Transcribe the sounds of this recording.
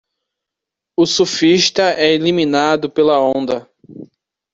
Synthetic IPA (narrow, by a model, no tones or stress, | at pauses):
ʊsufiʃt̪ɐɛeliminad̪ʊpelɐõnd̪ɐ